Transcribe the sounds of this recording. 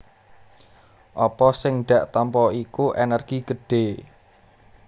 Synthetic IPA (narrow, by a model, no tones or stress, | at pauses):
ʔɔpɔsɪŋɖ̪̥ä̤ʔt̪ampɔikuʔenɛrɡ̥iɡ̥əɖ̥e̤